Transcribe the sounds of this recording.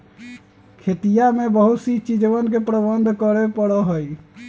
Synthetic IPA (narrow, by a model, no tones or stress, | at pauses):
kʰet̪ijamebəɦut̪sit͡ʃid͡ʒbənkepɾəbənd̪ʱkəɾepəɽɔɦoj